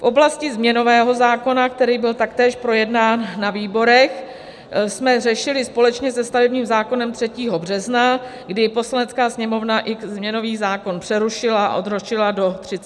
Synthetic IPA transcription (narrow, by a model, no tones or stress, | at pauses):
fʔo̞blascɪzmɲɛno̞vɛːɦo̞zaːko̞nak̚t̪ɛɾiːbɪlt̪akt̪ɛːʃpɾo̞jɛdnaːnːaviːbo̞ɾɛx | smɛrɛʃɪlɪspo̞lɛt͡ʃɲɛsɛst̪avɛbɲiːmzaːko̞nɛmt̪r̝̥ɛciːɦo̞br̝ɛzna | ɡdɪpo̞slanɛt͡skaːsɲɛmo̞vnaʔɪkzmɲɛno̞viːzaːko̞npr̥ɛɾuʃɪlaa̰ʔo̞d̪ɾoʃɪlado̞t̪r̥ɪt͡s